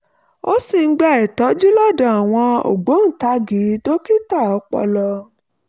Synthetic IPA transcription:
o˦si˨˦ɡ͡ba˧ɛ˨tɔ˨˦d͡ʒi˦lɔ˦˨dɔ̃˨a˨w̃ɔ̃˧o̰˨ɡ͡bo˨˦n̩˦˨ta˧˦ɡi˨˦do˦ki˦ta˦˨ɔ˧k͡pɔ̰˧lɔ˧

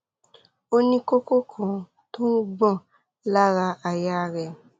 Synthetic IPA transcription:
o˦nĩ˦ko˦ko˦kʰɔ̃˨ | to˦ɡ͡bɔ̃˦˨ | la˦ɾa˧ʔa˨ja˦ɾɛ˨

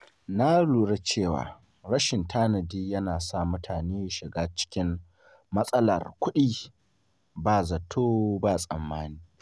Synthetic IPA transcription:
na˦luː˨ɽe˦t͡ʃeː˦˨wa̰ː˨ | ɾɐ˦ʃɪ˨ntʰaː˦nɐ˨diː˦jɐ˦naː˨sa˦˨mʊ˦tʰaː˨neː˦ja˨ʃɪ˨ɡaː˦t͡ʃɪ̥˦kʲɪ˦mː | ɐ˦sʼɐ˦lɐ̰˨rkʷʊ˦ɗiː˦ | baː˦˨zɐ˨tʰoː˦baː˦˨sʼɐ̰˨mːaː˦niː˦

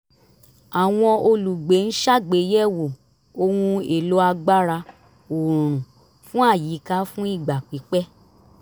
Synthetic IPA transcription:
a˨w̃ɔ̃˧o˧lu˨ɡ͡be˨˦n̩˦ʃa˦˨ɡ͡be˨˦jɛ˦wo˨ | o˧hũ˧e˨lo˨˦a˧ɡ͡ba˦ɾa˧ | o˨ɾ̃ũ˨ | fũ˦a˦˨ji˨˦ka˦fũ˦i˦˨ɡ͡ba˨k͡pi˨˦k͡pɛ˦

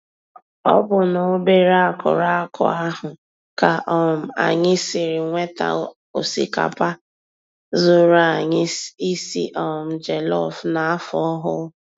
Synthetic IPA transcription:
ɔ̰˦bʊ˨no˨˦be˦ɾa˦a˦˨kʊ̰˨ɾa˦a˦kʰɔ̰˨a˦ɦʊ˨ | ka˨ʔɔ˦˨m̩˨a̰˨ɲɪ˦sɪ˨ɾɪ˨ŋʷe˦ta̰˨ | o˨si˨ka̰˨pa˦ | zʊ˦ɾa˦˨ɲɪ˦i˦sḭ˦ʔɔ˨m̩˨d͡ʒe˨lɔ˦˨fna˨a˦fɔ˦ɦʊ˦

